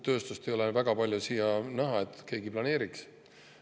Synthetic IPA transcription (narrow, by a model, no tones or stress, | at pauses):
t̪ø̞ːst̪ust̪ejo̞levæɡ̥ɑpɑlʲjusijɑnæɦɑe̞t̪ːˑke̞ːɡiplɑne̞ːɾiks